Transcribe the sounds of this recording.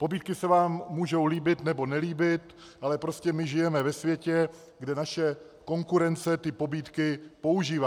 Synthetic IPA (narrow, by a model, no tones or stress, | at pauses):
po̞biːt̪kɪsɛvaːmːuːʒo̞wliːbɪt̪nɛbo̞nɛliːbɪt̪ | ʔalɛpɾoscɛmɪʒɪjɛmɛvɛsvjɛcɛ | ɡdɛnaʃɛ | ko̞ŋkuɾɛnt͡sɛt̪ɪpo̞biːt̪kɪpo̞uʒiːva